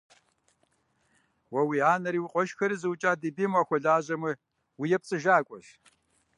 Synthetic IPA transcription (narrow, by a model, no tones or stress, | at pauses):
wɐwiːaːnɐɾiːwqʷʼɔʃxɐɾɨzɨwt͡ʃʼaːdibimaːxʷɔɮaːʑɐmɨ | wijɛp̚t͡sʼɨʒaːkʷʼɔɬ